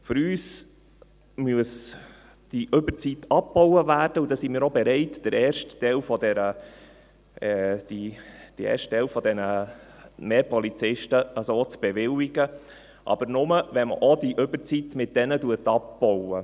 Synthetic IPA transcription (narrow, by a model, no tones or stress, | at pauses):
fʏɾyːs | myəs | d̥iʔɵbət͡sitːɑp̚b̥ɔwəvæːɾd̥əudɑsimiːɾobɛɾɛɪtd̥əɾɛːɾʃtːɛlfɔd̪ɛɾə | d̥id̥iɛ̰ːɾʃtɛlfɔd̪ɛnə | meːpɔlit͡sɪʃtəəsoːt͡sb̥ɛʋɪliɡə | ʔɑ̰b̥əɾnʊməʋɛnmə̰ʔɔdiʔʏbəɾt͡sitmɪt̚d̥ɛnətuətɑp̚b̥ɔwə